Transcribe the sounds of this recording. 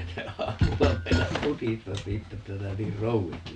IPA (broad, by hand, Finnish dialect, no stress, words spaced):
se ɑːmulːɑ meinɑs mutistɑs siːtːæ etːæ sinæ niːr rouʋisti